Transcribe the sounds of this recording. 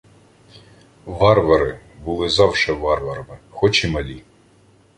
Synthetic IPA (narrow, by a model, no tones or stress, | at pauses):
ʋɑrʋɐɾɪ | bʊlˠɪzɑwʃɛʋɑrʋɐɾɐmɪxɔt͡ʃimɐlʲi